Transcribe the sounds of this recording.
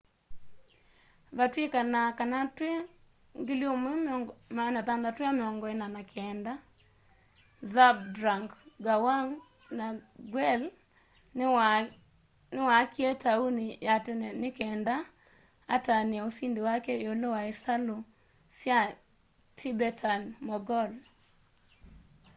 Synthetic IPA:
βatwikanakanatwe | ŋɡiljomemanatandatweamɪɔŋɡɔɛnanakʰɛnda | zab̚dɾaŋɡɡawaŋ | naɡwɛl | nɪwakjetaunijatenɛnɪkɛnda | atanaosindewakɛjolowaɪsalo | sja | tʰibɛtʰanmɔɡɔl

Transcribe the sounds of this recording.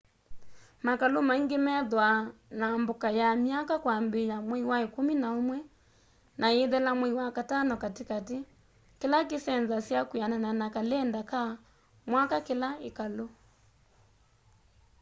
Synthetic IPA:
makalomaiŋɡemɛðwanambokajamiakakwambejamwɛiwaekuminaomwɛ | nʔaeðɛlamwɛiwakatanɔkatikati | kelak̬isɛnzasjakwianananakalɛndaka | mwakakelaikalo

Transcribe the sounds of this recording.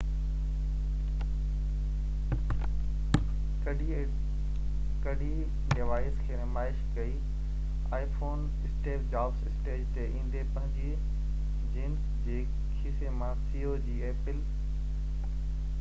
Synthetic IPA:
kɐɖʱi | ɖɪʋaːɪskʰeːnɪmaːɪʃkɐiː | aːifoːn | ɪsʈeːpd͡ʑaːbsɪsʈeːd͡ʑt̪eʔĩːn̆d̪epɐ̃ɦɪ̃ɲd͡ʑi | d͡ʑiːns | d͡ʑeː | kʰiːsemãsiːoːd͡ʑiːeːpɪl

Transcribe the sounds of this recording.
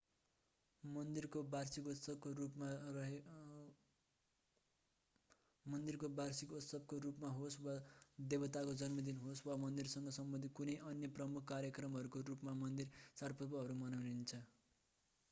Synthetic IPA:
mʌnd̪irkobarsikut̪sʌb̚korupma | mʌnd̪irkobarsikut̪sʌb̚korupmaɦoswad̪ebʌt̪akod͡zʌnmʌd̪inɦoswamʌnd̪irsʌŋɡʌsʌmbʌ̃nd̪ʱikunʌjʔʌnjʌprʌmukʰkaɾjʌkrʌmɦʌɾukorupmamʌnd̪irsarpʰʌt̪bʌɦʌɾumʌnawnint͡sʰʌ

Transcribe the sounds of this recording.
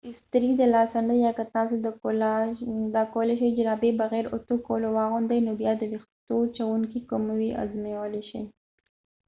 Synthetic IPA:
ɪst̪ɾid̪əlɑsand̪əjɑkat̪ɑsod̪əld̪ɑkowəleʃajd͡ʒɪɾɑbebaɣɛɾʊt̪okolowɑɣʊnd̪əjnobjɑd̪əɾixt̪ot͡ʃawuŋkikʊmwiʔa̰zmewəleʃa̰j

